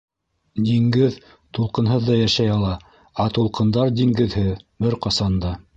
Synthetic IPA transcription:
d̪iŋɡɘð | t̪ulˠqɤ̆nɦɤðːɑjæʃæjɑlˠɑ | ɑt̪ulˠqɤ̆nd̪ɑɾd̪iŋɡɘ̆ðhɘðbɘɾqɑsɑnd̪ɑ

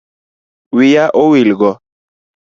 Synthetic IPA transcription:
wijaʔowilɡɔ

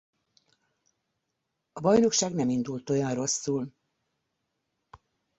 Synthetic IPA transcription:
ɒbɒjno̞kʃaːɡnɛmind̪ult̪o̞jɒnro̞sːuːl

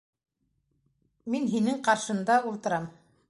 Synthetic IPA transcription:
minɦinɘŋqɑɾʃɤ̆nd̪ɑulˠt̪ɤ̆ɾɑm

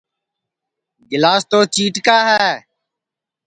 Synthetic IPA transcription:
ɡɪlaːst̪oːt͡ʃiːʈkaːɦɛː

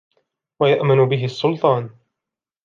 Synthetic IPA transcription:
wajaʔmɪnʊbɪɦɪɑsːʊlt̪ˤɑːn

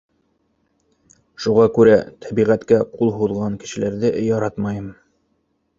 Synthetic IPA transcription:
ʃuʁɑkʉɾæt̪ʰæbiʁæt̪kæqulˠɦuðʁɑŋkɘ̥̆ʃɘ̆læɾðɘʔjɑɾɑt̪mɑjɤm

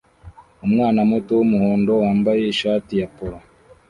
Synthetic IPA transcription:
umŋaːnamutowumuhoːndo̞waːmbajeiʃaːtijapoɾo

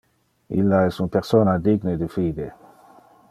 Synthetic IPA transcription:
ḭlːaɛsunpeɾsoːnad̪iɡned̪ifiːd̪e

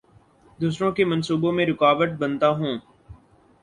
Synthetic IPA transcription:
d̪uːs̬ɾõkemə̃nsuːbõmẽɾɪkaːʋəʈ̚bə̃nt̪aɦũː

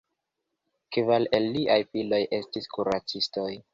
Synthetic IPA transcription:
kvalelːiʔajpilo̞jʔe̞stiskuɾat͡sisto̞j

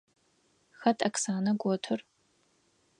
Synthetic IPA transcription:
xɐtʰʼɐksaːnɐɡʷɔtʰɨr

